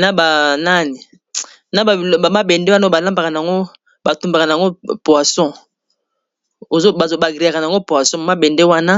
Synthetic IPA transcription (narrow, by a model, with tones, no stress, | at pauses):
na˦ba˨na˦ni˨ | na˦ba˨a˨ma˦bɛ˨nde˦wa˦n˦o˦ba˨la˦mba˨ka˨na˨a˨ŋɡo˦ | ba˨tu˦mba˨ka˨na˨a˨ŋɡo˦pwa˨sɔ̃˦ | o˨zo˦ba˨zo˨ba˨ɡʁi˨ja˨ka˨na˨a˨ŋɡo˦pwa˨sɔ̃˦a˨ma˦bɛ˨nde˦wa˦na˦